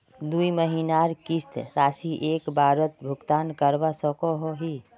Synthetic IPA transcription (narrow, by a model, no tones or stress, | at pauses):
d̪uiməɦinaɾkist̪ɾasiʔekbʱaɾət̪bʱukt̪ankəɾbasəkoɦoɦi